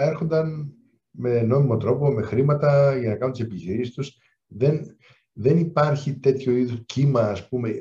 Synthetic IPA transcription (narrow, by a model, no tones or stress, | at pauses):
e̞ɾxo̞nd̪ɐn | me̞no̞mimo̞t̪ɾo̞po̞me̞xɾimɐt̪ɐʝɐnɐkɐnunt̪isepiçiɾisist̪us | ðe̞n | ðe̞nipɐɾçit̪e̞t̪ço̞iðoscimɐːspume̞